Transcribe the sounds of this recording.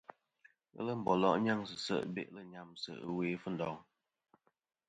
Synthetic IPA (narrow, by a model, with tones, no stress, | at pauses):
ə̰˦lə˦˨m̩˨bɔ˨lɔ̰˦ʔɲa˦˨ŋsə˨sə̰˦˨ʔbḛ˦ʔlə˦ɲa˦˨msə̰˨ʔə˦we˦fə˦n̩˨dɔ˨˦ŋ